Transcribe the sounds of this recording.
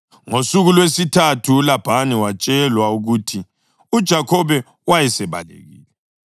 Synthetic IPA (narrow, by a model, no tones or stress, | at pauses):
ŋosuɣulwesitʰatʰuːlab̥ʱaniwat͡ʃʼɛlwauɣuːtʰi | ud̥ʒ̥ʱakʰɔβɛ | wajɛsɛβa̰lḛɣḭːlɛ